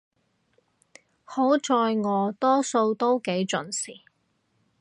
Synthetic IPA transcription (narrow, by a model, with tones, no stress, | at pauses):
ho˨˥wt͡ʃɔː˧jŋɔː˨˧t̪ɔː˥so˧wt̪o˥wke˨˥jt͡ʃɵ˨nsiː˨˩